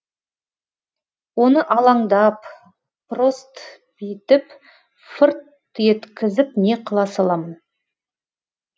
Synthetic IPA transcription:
wo̞nəʔɑlˠɑɴd̪ɑp | pro̞st̪ | bɪjt̪ɪp | fʊɾt̪ | je̞t̪kʲɪzɪpne̞qʰəlˠɑsɑlˠɑmn

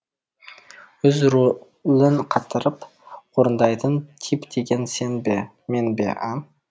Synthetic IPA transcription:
ʏzɾ | lɪnqʰɑt̪ːəɾəp | woɾənd̪ɑjt̪ʰənt̪ʰipd̪e̞ɡʲe̞nsenbe | me̞nbḛʔa

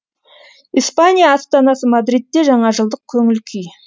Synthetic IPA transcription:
ispanʲijaːst̪ɑnɑsəmɑd̪ɾit̪ːe̞ʒɑɴɑʒəlˠd̪əq̚kʲʰɵŋɪlkʲʰij

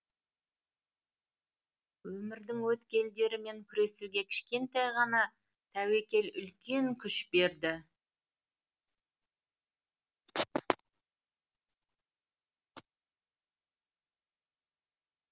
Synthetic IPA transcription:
wɵmɪɾd̪ɪŋwɵt̪kʲe̞ld̪e̞ɾɪme̞ŋkʲʰʏɾe̞suɡʲe̞kʲʰɪ̥ʃkʲe̞nt̪ɑjʁɑnɑ | t̪ʰæwe̞kʲe̞lʏ̰lkʲe̞ŋkʲʰʏʃbe̞ɾd̪ɪ

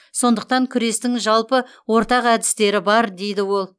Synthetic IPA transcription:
so̞nd̪əq̚t̪ɑŋkʲʰʏɾe̞st̪ɪŋʒɑlˠpə | wo̞ɾt̪ɑqæd̪ɪst̪e̞ɾɪbɑɾd̪e̞jd̪ɪwo̞lˠ

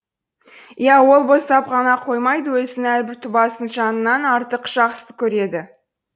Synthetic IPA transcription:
ijæwo̞lˠbo̞st̪ɑpʁɑnɑqʰo̞jmɑjd̪əwɵzɪnɪælbɪɾt̪ʰʊbɑsənʒɑnənːɑnɑɾt̪əqʒ̥ɑqsə̥kʲʰɵɾe̞d̪ɪ

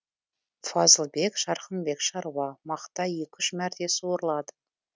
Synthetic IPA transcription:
fɑzəlˠbe̞kʃɑɾχənbe̞kʃɑɾwɑmɑqt̪ɑje̞kʲʰʏʃmæɾt̪e̞sɪwoɾəlˠɑd̪ə̥

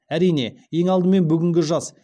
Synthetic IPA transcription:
æɾijne̞je̞ŋɑlˠd̪əme̞nbʏɡʲɪŋɡʲɪʒɑs

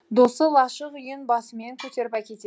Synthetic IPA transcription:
d̪o̞səlˠɑʃəqʏjənbɑsəme̞ŋkʲʰɵt̪e̞ɾɪpækʲe̞t̪e

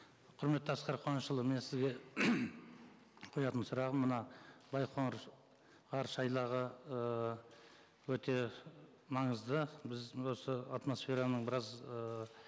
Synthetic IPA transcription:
qʰʊɾme̞t̪ːəɑsqɑɾqʰoɑnʃəlˠəme̞nsɪzɡʲe̞ | qʰojɑt̪ənsʊɾɑʁəmːənɑbɑjqʰoɴɾ | ʁɑɾʃɑjlˠɑʁəə | wɵt̪e̞ | mɑɴəzd̪əbɪzwo̞səat̪mo̞sfʲe̞ɾanəɴbɪɾɑzəː

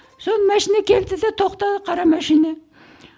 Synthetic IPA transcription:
sonmæʃinækʲʰeld̪ɪd̪æt̪ʰoχt̪ɑqʰɑɾɑmæʃina

